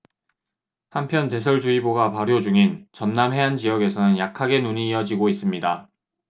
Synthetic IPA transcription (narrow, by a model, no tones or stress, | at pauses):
hampʰjʌnte̞sʰʌɭd͡ʑuiboɡapaɾjod͡ʑuŋint͡ɕʌnnamɦe̞ɦand͡ʑijʌɡe̞sʰʌnɯnjakʰaɡe̞nuɲiːʌd͡ʑiɡois͈ɯmɲida